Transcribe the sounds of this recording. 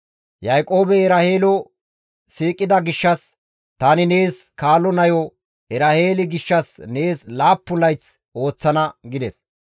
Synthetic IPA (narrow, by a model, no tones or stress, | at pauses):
jɐjkʼo̞ːbɛɛɾɐheːlɔ | siːkʼːɪd̪ɐɡɪʃːɐs | t̪ɐnɪne̞ːskaːlɔnɐjɔ | ɛɾɐhe̞ːlɪɡɪʃːɐsne̞ːslaːpːʊlɐjt͡s | o̞ːt͡sːɐnɐɡɪd̪ɛs